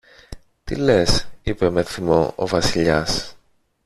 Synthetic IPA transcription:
t̪ile̞sipe̞me̞θimo̞̰o̰vɐsiʎɐs

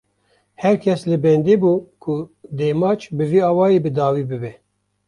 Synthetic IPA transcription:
hɛɾkʲʰɛslɨbɛnd̪eːbuːkʰʊd̪eːmɑːt͡ʃbɨviːɑːwɑːjeːbɨd̪ɑːwiːbɨbɛ

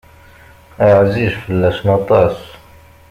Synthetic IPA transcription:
ʔaʕziːʃfilːæʃnɑt̪ˤɑːs

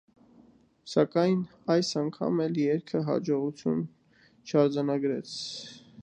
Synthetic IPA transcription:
sɑkɑjn | ɑjsɑŋkʰɑ̰mɛljɛɾkʰəɦɑ̰d͡ʒɔʁut͡sʰjun | t͡ʃʰɑɾd͡zɑnɑɡɾɛt͡sʰ

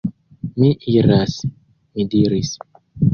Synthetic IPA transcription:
miʔiɾas | midiɾis

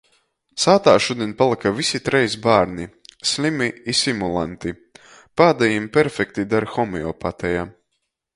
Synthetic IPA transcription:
saːt̪aːʃud̪ʲinpalˠikavisit̪ɾɛjsbaːɾnisʲlʲimiisimulˠa̰nt̪i | paːd̪ajimpʲɛɾfʲɛkt̪id̪aɾxɔmiɔ̰pat̪ɛjaː

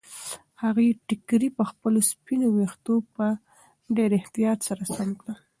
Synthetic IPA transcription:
haɣejʈɪkɾipəxpəlospinowext̪opə | ɖeɾɪht̪ijɑt̪saɾasamkɽə

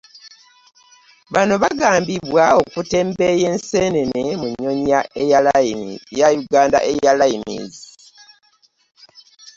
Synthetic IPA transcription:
βano̞βaɡaːmbiβwao̞kute̞ːmbejeːnseːne̞nemuɲːo̞ɲaʔe̞jalajajuɡaːnda̰ʔejalajimḭːzi

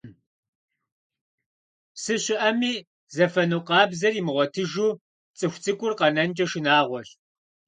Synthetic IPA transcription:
sɨɕɪʔɐmiː | zɐfɐnuqɑːbzɐriːmɨʁʷɔtʰɨʒuː | t͡sʼɨxʷt͡sʼɨkʷʼʊrqɐnɐnt͡ʃʼɐʃɪnaːʁʷɔɬ

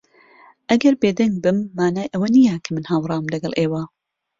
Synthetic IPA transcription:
ʔɐɡɐɾbeːd̪ɐŋɡ̚bɨmːaːnaːjʔɐwɐnijɐkʰɐmɨnhaːwrˤɑːwmlɐɡɐlˠʔeːwa

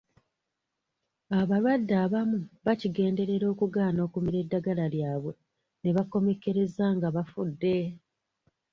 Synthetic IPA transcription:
aβalwadːaːβamuβaciɡe̞ːnde̞ɾe̞ɾo̞ːkuɡaːno̞ːkumiɾe̞dːaɡalaljaːβwe̞ | ne̞βako̞me̞ke̞ɾe̞zaːŋɡaβafudːe̞

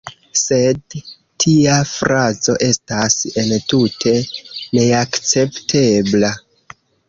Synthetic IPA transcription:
se̞d | tʰiafɾat͡so̞̰ʔe̞stasentutʰe̞ne̞akt͡se̞ptʰe̞bla

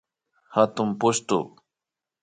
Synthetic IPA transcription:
hat̪ʊmpʊst̪ʊ̰

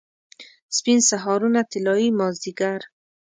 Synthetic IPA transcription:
spinsaɦɔɾunat̪ɪlɔimɔzd̪iɡaɾ

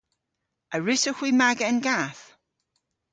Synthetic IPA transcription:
ʔəɹɪsəxwimaɡəənɡaːθ

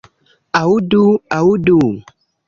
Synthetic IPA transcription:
awuduawudu

